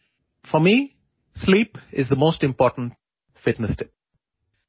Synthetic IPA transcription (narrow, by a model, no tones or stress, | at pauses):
fɔmiː | sliːpɪzðəmoːsʈɪ̃mpɔːʈə̃n̩ʈ | fɪʈnəsʈʰɪp̚